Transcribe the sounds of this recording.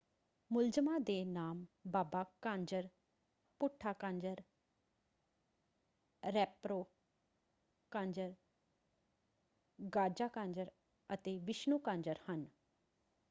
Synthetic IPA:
mʊld͡ʒəmãːd̪eːnaːmbaːbaːkãːɲd͡ʒəɾ | pʊʈʰːaːkãːɲd͡ʒəɾ | ɾɛːpɾoː | kãːɲd͡ʒəɾ | ɡaːd͡ʒaːkãːɲd͡ʒəɾ | ət̪eːʋɪʃnuːkãːɲd͡ʒəɾhən

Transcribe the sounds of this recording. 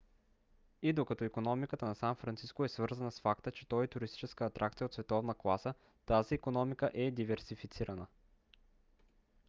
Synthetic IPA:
id̪okɐt̪ɔikonɔmikət̪ənɐsanfɾɐnt̪siskoɛsvɤɾzənəsfakt̪ət͡ʃɛ̥t̪ɔjɛt̪ʊɾist̪i̥t͡ʃɛskəːt̪ɾʔak̚t̪sijəot̪svɛt̪ɔvnəklˠasə | t̪aziːkonɔmikəʔɛd̪ivɛɾsifit̪siɾɐnə

